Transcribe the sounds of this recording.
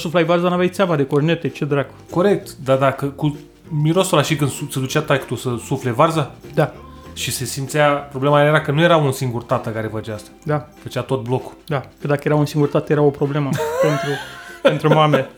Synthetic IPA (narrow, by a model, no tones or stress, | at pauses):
suflajvarzanavʲjajt̪sɪabad̪e̞korne̞t̪et͡ʃed̪ɾaɡ̥ | ko̞ɾe̞k̚t̪d̪ad̪akəku | miɾo̞solaʃikɨnd̪sut̪sed̪ut͡ʃat̪akt̪usəsufle̞varzad̪a | ʃise̞simt̪siapɾoblemajajeɾakənuje̞ɾaunsiŋɡurt̪at̪əkaɾe̞fat͡ʃeast̪ḁd̪afət͡ʃat̪o̞t̪̚bloku̥d̪akəd̪akəje̞ɾaunsiŋɡurt̪at̪əje̞ɾao̞pɾo̞ble̞məpe̞nt̪ɾupe̞nt̪ɾumame